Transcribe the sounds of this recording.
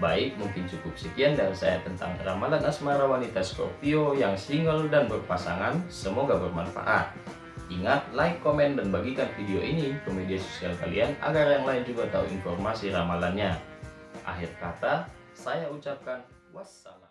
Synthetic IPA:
baɪk̚muŋkɪnt͡ʃukʊp̚səkiandaɾisa̰jat̪ənt̪a̰ŋramalanasmaɾawanit̪asko̰piojaŋsiŋɡəldanbərpasaŋansəmoɡabərmanfa̰ʔa̰t̪̚ | iŋat̪̚laɪkːomɛndanbaɡikanfidioʔinikomediaso̥sialka̰lḭana̰ɡarjaŋlaɪnd͡ʒuɡat̪auḭnfɔrmasiɾamalanɲa | ʔa̰ɦɪrkat̪a | sajaut͡ʃap̚kan | wasa̰la

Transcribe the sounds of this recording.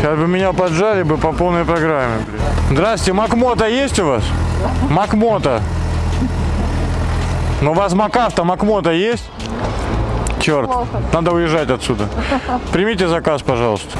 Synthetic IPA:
ʃasʲbɨmʲɪnʲapɐdʐalʲɪbɨpɐpo̞lˠnəjpɾɐɡɾamʲːɪbɾʲzd̪ɾaswʲɪ̥tʲɪmɐkmo̞t̪əjesʲtʲʊvasmɐkmo̞t̪ə | novasmɐkaft̪əmɐkmo̞t̪əjesʲtʲ | t͡ɕort̪nad̪əʊjɪʐːatʲɐt̪sʲud̪əpɾʲɪmʲitʲɪzɐkaspɐʐɑlˠəst̪ə̥

